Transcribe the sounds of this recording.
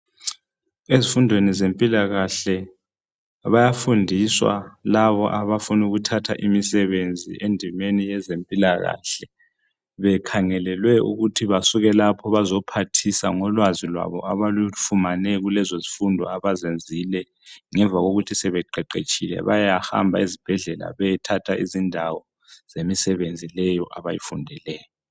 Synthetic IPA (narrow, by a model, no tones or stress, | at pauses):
ezifundʱwenizempʼilaɣaɬɛ | βajafundʱiswa̰laβɔʔaβafunuɣutʰatʰa̰ʔimisɛβend͡zʱḭʔendʱimenijɛzempʼilaɣa̰ɬɛ | βɛkʰaŋɛlɛlwɛṵɣutʰiβasuɣɛlapʰɔβazɔpʰatʰisaŋɔlwazilwa̰βɔ̰aβalufumanɛɣulɛzozifundʱɔaβazend͡zʱilɛ | ŋɛɱvʱaɣoɣutʰisɛβɛǃɛǃet͡ʃʼilɛ̰βajaha̰mbʱa̰izib̥ʱɛɮɛla̰βɛtʰatʰaʔizindʱawɔ | z̥emisɛβend͡zʱilɛjɔʔaβajḭfundʱɛlɛːjɔ